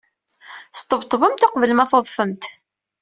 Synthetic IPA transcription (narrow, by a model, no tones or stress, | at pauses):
st̪ˤːəvt̪ˤːvəmt̪oqvəlmæθoðˤfəmt̪